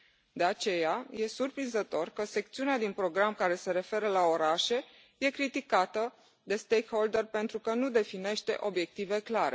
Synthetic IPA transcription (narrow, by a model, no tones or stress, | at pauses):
d̪e̞at͡ʃe̞jaje̞surpɾinzət̪o̞rkəse̞k̚t̪siunead̪inpɾo̞ɡɾamkaɾe̞se̞ɾe̞fe̞ɾəlao̞ɾaʃe̞ | je̞kɾit̪ikat̪ə | d̪e̞st̪e̞jkho̞ld̪erpe̞nt̪ɾukənud̪e̞fine̞ʃt̪e̞̰ʔo̞bje̞k̚t̪ive̞klaɾe̞̰